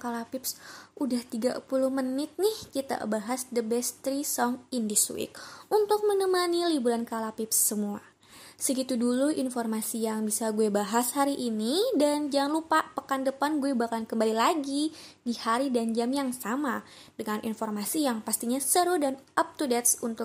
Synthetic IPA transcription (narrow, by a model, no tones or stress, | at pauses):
kalapipsʔudaht̪iɡa̰pulʊhmənɪt̪̚nɪhkit̪a̰baɦasdəbɛst̪ɾisɔŋindisṵɪ̰k̚unt̪ʊk̚mənəmanilibuɾankalapipsːəmua̰ | səɡit̪uduluʔinfɔrmasijaŋbisaɡuebaɦashaɾiʔinidand͡ʒaŋnlupapəkandəpanɡuɛbahkankəmbalilaɡidihaɾidand͡ʒamjaŋsama | dəŋanʔḭnfɔrmasijaŋpast̪iɲasəɾudanʔap̚t̪udɛt̪sunt̪ʊ